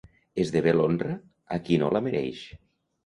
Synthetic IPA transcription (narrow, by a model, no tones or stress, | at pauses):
ezðeβelondrə | akinolameɾɛ̰jʃ